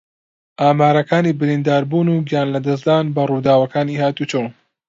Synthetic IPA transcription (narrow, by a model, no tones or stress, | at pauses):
ʔaːmaːɾɐkaːniːbɨɾiːnd̪aːɾbuːnuːɡijaːnlɐd̪ɐsd̪aːnbɐruːd̪aːwɐkaːniːhaːt̪ut͡ʃow